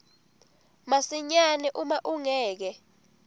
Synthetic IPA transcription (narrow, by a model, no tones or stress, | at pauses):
masiɲanɛʔumaʔuŋɛːk̬ɛ